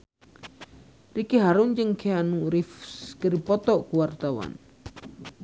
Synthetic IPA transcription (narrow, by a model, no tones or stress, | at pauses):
rikiɦaɾund͡ʒəŋkʰeanuɾifkəɾipɔt̪ɔʔkuwart̪awa̰n